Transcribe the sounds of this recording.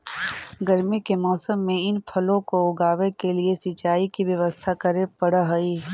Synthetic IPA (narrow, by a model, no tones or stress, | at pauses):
ɡəɾmikemɔːsəmːẽɪnpʰɐlõkoʊɡaːʋekeliesit͡ʃaːikiʋjɐʋəst̪ʰakɐɾepɐɽəɦoiː